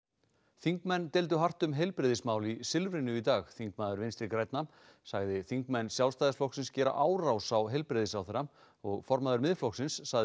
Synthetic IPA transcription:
θiŋkmɛnːt̪ɛlt̪̬ʏɦar̥t̪ʏmɦejlpɾɪðɪsmaːwlisɪlvɾɪnʏit̪aːɣθiŋkmaːðʏɾvɪnst̪ɪɾkɾɛjt̪nam | saɣðɪθiŋkmɛnːsjawlst̪ajðɪsflɔhksɪnscɛːɾa̰ʔaːwɾawsawɦejlpɾɪðɪsawθɛɾam | ɔɣfɔɾmaðʏɾmɪðflɔksɪnsːaɣð

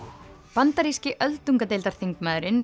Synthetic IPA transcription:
pant̪aɾiscɪʔœlt̪uŋkat̪eːjlt̪aɾ̥θiŋkmaːðɾɪn

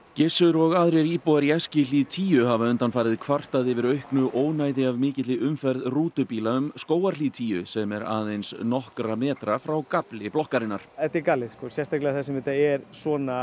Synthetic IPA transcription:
cɪsʏɾɔɣaðɾeɾiːpowaɾijɛscɪliːðt̪ʰiːjʏɦavaʏnt̪anfaːɾɪðkʰvar̥t̪aðɪvɪɾœɥhknʏʔoːwnaːjðɪavmɪːcɪt̪lɪʏmfɛɾðruːt̪ʏpiːlaʏmskoːwaɾliðt̪ʰiːjʏ̰sɛmɛɾa̰ːðejnsnɔhkɾamɛːt̪ɾafɾawkaplɪplɔhkaɾɪnːaɾ̥ɛt̪ɛkalːɪðskɔsjɛst̪ajklɛɣaθɛsɛmvɪt̪aɛɾsvɔːna

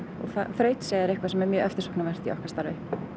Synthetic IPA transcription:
ɔ̰ɣθa̰fɾœːɥt̪seðɪɾɪhkvaɾsɛmɛɾmjœːʔɛft̪ɪ̥ɾsɔknavɛr̥t̪iɔ̰hkḁst̪aɾvɪ

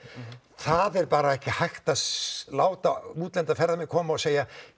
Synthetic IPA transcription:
θaðɛɾpaːɾaɛhcɪhajxt̪alaːwt̪auːt̪lɛnt̪afɛɾðamɛkʰɔːmaɔseːja

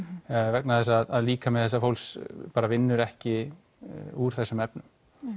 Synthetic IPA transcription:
vɛknaðθɛsaðaðliːkamɛðθɛsːafowlspaːɾavɪnːʏɾɛhcɪ | uɾ̥θɛsːʏmɛpnʏm

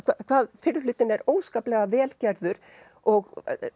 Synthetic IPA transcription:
kʰakʰvaːðfɪɾlʏːt̪ɪnɛɾoːwskaːplɛɣavɛːlcaɾðʏɾ̥ | ɔɣ

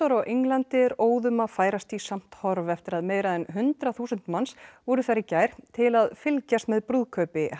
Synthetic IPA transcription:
ɔɾɔwʔiŋlant̪ɪɾoːwðʏmaðfaːjɾast̪isam̥t̪hɔɾvɛft̪ɪɾaðmeːjɾaðɛnɦʏnt̪ɾaθuːsʏnt̪mansvɔɾʏθaɾɪcaːjɾ̥t̪ʰɪlaðfɪlcast̪mɛðpɾuːðkʰœːɥpɪ

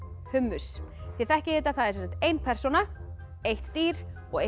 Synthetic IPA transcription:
hʏmːʏsθiθɛhcɪet̪aθaðɛɾsɛnsaht̪ejnpʰɛɾ̥sɔna | ejht̪ːiːɾ̥ | ɔɣe

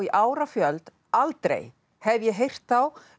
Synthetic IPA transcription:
iʔaːwɾafjœlt̪ | alt̪ɾḛj | hɛvjɛɦejr̥t̪θaw

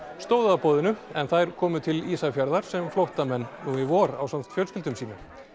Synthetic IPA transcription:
st̪oːwðapɔːðɪnʏɛnθajɾ̥kʰɔːmʏt̪ʰɪliːsafjaɾðaɾ̥sɛmflowht̪amɛnːuɪvɔɾa̰wsamt̪fjœlscɪlt̪ʏmsiːnʏ

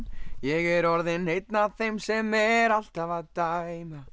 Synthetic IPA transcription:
jɛɣɛɾɔɾðɪnejt̪naθejmsɛmɛɾal̥t̪avaðt̪ajma

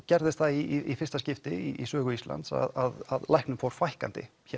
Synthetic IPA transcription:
cɛɾðɪst̪θaiiifɪr̥st̪ascɪft̪ɪiisœːɣʏisla̰nt̪sa̰ðaðaðlajhknʏmfowɾ̥fajhkant̪ɪ̰ | çɛ

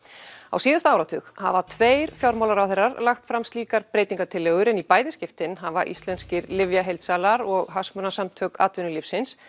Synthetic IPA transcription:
a̰wsiːðast̪aawɾat̪ʰʏxha̰vat̪ʰveːjɾfjawɾmawlaɾawθejrːaɾlaxt̪fɾamst̪liːkaɾpɾeːjt̪iŋkat̪ʰɪlːɛːɣʏɾɪnipaːjðɪscɪft̪ɪnɦavaʔḭst̪lɛnscɪɾlɪvjaɦejlt̪saːlaɾɔɣɦasmʏnasamt̪ʰœka̰ːt̪vʏnʏlipsɪns

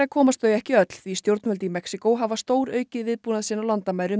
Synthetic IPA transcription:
akʰɔːmast̪œɥjɛhcɪœt̪l̥θvist̪jowɾt̪n̥fœlt̪imɛksikowɦavast̪oːwɾœːɥcɪðvɪðpuːnaðsiːnawlant̪amajɾʏ

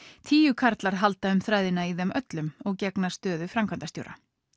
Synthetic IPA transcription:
t̪ʰiːjʏkʰaɾt̪laɾ̥ɦalt̪aʏmθɾajðɪnaiðɛmœt̪lʏmɔɣcɛknḁst̪œːðʏfɾamkʰant̪ast̪jo̰wɾa̰

